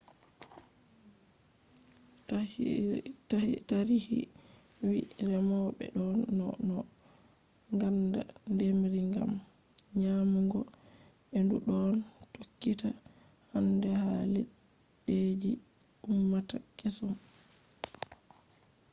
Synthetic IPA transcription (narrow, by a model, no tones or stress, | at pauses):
taɾihḭ | wiɾɛmawɓɛ̰ɗɔnːɔ̰nɔ | ŋɡanda̰ndemɾiŋɡa̰mɲamuŋɡɔ | enduɗɔntokːitahandɛhalɛɓed͡ʒiumːatakɛsɔm